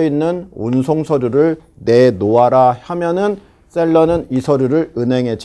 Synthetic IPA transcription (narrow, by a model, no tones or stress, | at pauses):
inːɯnunsʰoŋsʰʌɾjuɾɯɭ | ne̞noaɾahamjʌnɯn | s͈e̞ɭːʌnɯnisʰʌɾjuɾɯɭɯnɦe̞ŋɦe̞t͡ɕ͈